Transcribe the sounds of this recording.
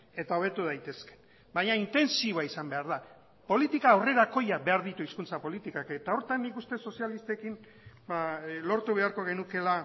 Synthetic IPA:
e̞t̪ao̞β̞e̞t̪uð̞ajt̪e̞ske̥ | baɲaint̪e̞nsiaisambe̞aɾða | po̞lit̪ikaːwre̞ɾako̞jaβe̞aɾðit̪uiskunt͡sapo̞lit̪ikaket̪ao̞ɾt̪anːikust̪e̞so̞sialist̪e̞kin | balo̞ɾt̪uβe̞aɾko̞ɣ̞e̞nuke̞la

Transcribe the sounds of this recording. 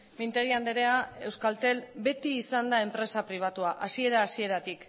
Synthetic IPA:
mint̪e̞ɣiand̪eɾeae̞wskalt̪e̞lbe̞t̪iːsand̪ae̞mpɾe̞sapɾiβ̞at̪uaʔasie̞ɾaːsie̞ɾat̪ik

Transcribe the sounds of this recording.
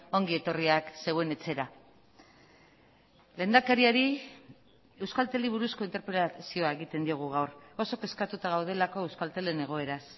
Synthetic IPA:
o̞ŋɡie̞t̪o̞riakse̞we̞ne̞t͡se̞ɾa | le̞ːnd̪akaɾiaɾi | e̞wskalt̪eliβuɾusko̞int̪e̞ɾpɾelasio̞ae̞ɣit̪e̞nd̪io̞ɣ̞uɣ̞awro̞so̞ke̞skat̪ut̪aɣ̞awð̞e̞lako̞ewskalt̪e̞le̞ne̞ɣ̞o̞e̞ɾas

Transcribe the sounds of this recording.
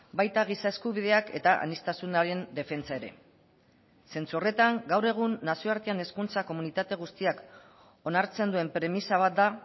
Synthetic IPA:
bajt̪aɣ̞isaeskuβ̞ið̞e̞ake̞̰t̪aʔa̰nist̪asunaɾe̞nd̪e̞fe̞nt͡sae̞ɾe̞̰ | se̞nt͡suore̞t̪aŋɡawɾe̞ɣ̞unːasio̞aɾt̪iane̞skunt͡sako̞munit̪at̪e̞ɣ̞ust̪iak | o̞naɾt͡se̞nd̪ue̞mpɾe̞misaβ̞at̪̚d̪a

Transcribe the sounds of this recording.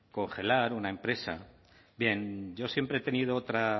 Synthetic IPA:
ko̞ŋxe̞laɾunae̞mpɾe̞sa̰ | bje̞nɟ͡ʝo̞sje̞mpɾeet̪e̞niðo̞ot̪ɾa

